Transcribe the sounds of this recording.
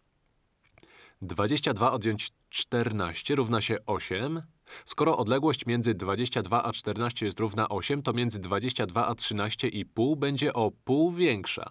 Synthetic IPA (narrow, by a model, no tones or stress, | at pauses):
d̪vad͡ʑeɕt͡ɕad̪vaɔd̪jɔɲt͡ɕ | t͡ʂt̪ɛɾna̰ɕt͡ɕɛɾuvnaɕɛʔɔɕɛm | skɔɾɔʔɔd̪lɛɡwɔɕt͡ɕmʲjɛnd̪zɘd̪vad͡ʑeɕt͡ɕad̪vaʔat͡ʂt̪ɛɾnaɕt͡ɕɛjɛst̪ɾuvnaʔɔɕɛmt̪ɔmʲjɛnd̪zɘd̪vad͡ʑeɕt͡ɕad̪vaʔatʂɘnaɕt͡ɕɛʔipuwbɛɲd͡ʑɛʔɔpuwvʲjɛŋkʂa̰